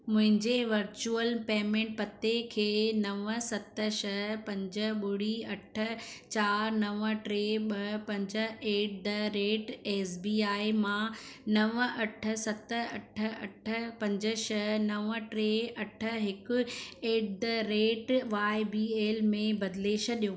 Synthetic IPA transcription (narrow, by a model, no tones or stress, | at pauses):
mʊ̃ɦɪ̃ɲd͡ʑeʋɐɾt͡ɕuəlpeːmẽːɳʈ̚pɐt̪ekʰeːnɐʋəsɐt̪əʃɐɦpɐ̃ɲd͡ʑəɓʊɽiɐʈʰə̆t͡ɕaːɾnɐʋəʈɾeːɓɐpɐ̃ɲd͡ʑə̆eːʈ̚d̪ɐɾeːʈeːsbiːaːimãnɐʋɐʈʰə̆sɐt̪ɐʈʰə̆ɐ̰ʈʰə̆pɐ̃ɲd͡ʑəʃɐɦnɐʋəʈɾeːɐʈʰə̆ɦɪkʊ̆eːʈ̚d̪ɐɾeːʈʋaːɪbiːeːlmẽbɐd̪leːʃə̆ɗijoː